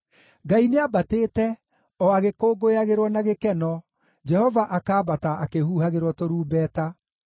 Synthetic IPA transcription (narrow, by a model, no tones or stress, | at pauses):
ɡaineabateːtɛ | ɔaɣekoːɡojaɣeɾwɔnaɣekɛnɔ | d͡ʒɛhɔvaʔakaːbataʔakehuːhaɣeɾwɔtoɾuːbɛːta